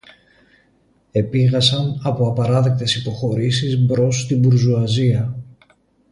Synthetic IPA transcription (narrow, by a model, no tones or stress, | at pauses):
e̞piɣɐsɐnɐpo̞ɐpɐɾɐðe̞k̚t̪e̞sipo̞xo̞ɾisizbɾo̞st̪ibuɾzuɐziɐ